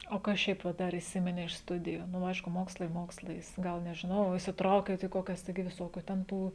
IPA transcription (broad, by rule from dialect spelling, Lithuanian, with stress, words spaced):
oː ˈkɐs ˈʃʲɛɪp ʋɐ ˈdɐr iːˈsʲɪmʲɪnʲɛ ɪʃ ˈstʊdʲɪjuː nʊ ˈɐɪʃkʊ ˈmoːkslˠɐɪ ˈmoːkslˠɐɪs ˈɡɐlˠ nʲɛʒʲɪˈnɐʊ iːsʲɪtˈrɐʊkʲeːt iː ˈkoːkʲɛs ˈtɐɪɡʲɪ ʋʲɪˈsoːkʲʊ tʲɛn ˈtuː